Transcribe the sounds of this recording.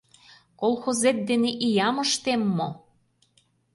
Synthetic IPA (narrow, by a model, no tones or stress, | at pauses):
kolˠxozet̪̚d̪eneʔijɑmɤ̆ʃt̪emːo